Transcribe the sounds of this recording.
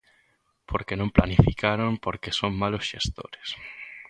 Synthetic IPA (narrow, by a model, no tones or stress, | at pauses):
pʰoɾkenõmplanifikaɾompoɾkesoŋmalosʃest̪o̰ɾes